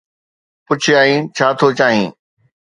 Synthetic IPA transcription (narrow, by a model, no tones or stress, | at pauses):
pʊt͡ɕʰɪaːɦĩːt͡ɕʰaːt̪ʰot͡ɕaːɦĩː